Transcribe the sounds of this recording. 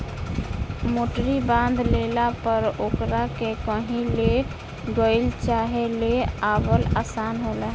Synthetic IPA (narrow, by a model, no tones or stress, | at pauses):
moʈɾibãnd̪lelapəɾokɾakekəɦĩle | ɡəɪlt͡ʃaɦeleabəlasanɦolɛ